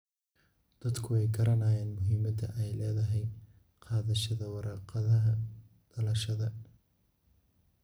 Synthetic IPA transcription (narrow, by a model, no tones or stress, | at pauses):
d̪̥ɐd̪kʰʊɛjɡɐɾɐnaːjɛːnmʊɦiːmɐd̪ɐ̰ʔɛjlɛːðɐɦɛj | qɑːðɐʃɐðɐwɑɾɑːqɑðɐɦɐ | d̪̥ɐlɐʃɐðɐ